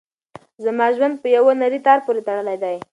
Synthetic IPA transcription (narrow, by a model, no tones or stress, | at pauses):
zamɑʒwand̪̚pəjawanaɾit̪ɑɾpoɾet̪aɽəlajd̪aj